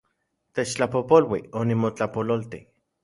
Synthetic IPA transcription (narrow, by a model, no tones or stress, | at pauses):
t̪et͡ʃt͡ɬapopolwionimot͡ɬapololt̪i